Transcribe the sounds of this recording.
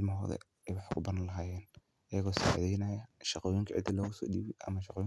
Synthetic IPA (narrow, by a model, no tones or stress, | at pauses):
lmɦɔːðɛ̰ | ɛjwɑħkʰʊbɐnɐlɐɦaːjɛːn | ʔɐjɐɣɔːsaʕʕðɛjnɐjɐʃɑqɔːjɪŋkʰɐʕɪ̰d̪ɐlɔːɣʊsɔ̰ːɗiːβɪʔɐ̰mɐʃɑqɔːj